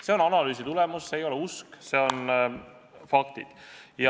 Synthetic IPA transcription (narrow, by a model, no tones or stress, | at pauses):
se̞o̞nɑnɑlyːs̬it̪ulemusːeːjo̞leuskse̞o̞n | fɑk̚t̪id̪̥jɑ